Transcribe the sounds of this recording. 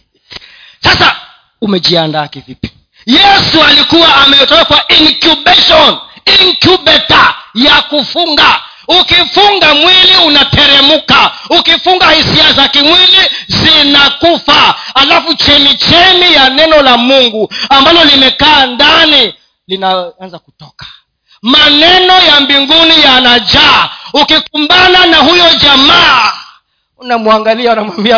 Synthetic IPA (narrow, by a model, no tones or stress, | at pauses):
sasa | umɛd͡ʒiandakivipi̥ | jɛsualikuwaːmɛjɔtɔkakwaʔiŋkjubɛʃɔniŋkjubɛtajakufuŋɡa | ukifuŋɡamwiliunatɛɾɛmukaukifuŋɡahisiasakimwilizinakufahalafut͡ʃɛmit͡ʃɛmijanɛnɔlamuŋɡuambalɔlimɛkaːndani | linaanzakutɔkḁ | manɛnɔjambiŋɡunijanad͡ʒaːukikumbananahujɔd͡ʒamaː | unamuaŋɡaliaunamwambia